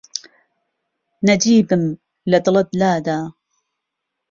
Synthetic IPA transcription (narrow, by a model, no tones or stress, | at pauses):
nad͡ʒiːbɪm | lad̪lɑd̪laːd̪aː